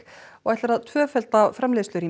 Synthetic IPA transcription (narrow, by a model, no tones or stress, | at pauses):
ɔɣajht̪laɾaðt̪ʰvœːfɛlt̪afɾamleːðslʏɾi